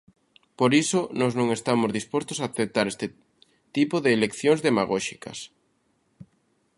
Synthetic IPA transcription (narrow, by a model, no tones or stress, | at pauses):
poɾisonɔznõŋest̪amozðispost̪osaθet̪aɾest̪ɪ | t̪ipoðeːlekθjoŋzðemaɣɔʃikɐ̰s